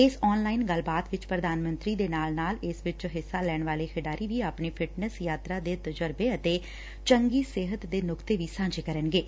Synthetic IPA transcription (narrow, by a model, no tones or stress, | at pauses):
ɪsɔːnlaːɪnɡəlbaːt̪ʋɪt͡ʃpɾəd̪aːnmə̃nt̪ɾiːd̪eːnaːlnaːlɪsʋɪt͡ʃɦɪsːaːlɛːɳʋaːleːkʰɪɖaːɾiːʋiːapneːpʰɪʈnəsjaːt̪ɾaːd̪eːt̪əd͡ʒəɾbeːət̪eː | t͡ʃəŋɡiːsɪɦət̪d̪eːnʊkt̪eːʋiːsãːɲd͡ʒeːkəɾənɡeː